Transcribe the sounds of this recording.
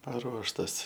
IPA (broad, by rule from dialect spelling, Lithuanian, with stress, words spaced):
pɐˈruɔʃtɐs